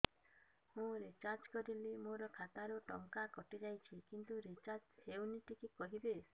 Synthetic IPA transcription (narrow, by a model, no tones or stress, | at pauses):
hũɾet͡ʃaɾd͡ʒkɔɾilimoɾɔkʰat̪aɾuʈɔŋkakɔʈid͡ʒajt͡ʃʰikint̪uɾit͡ʃaɾd͡ʒhewniʈikikɔɦibes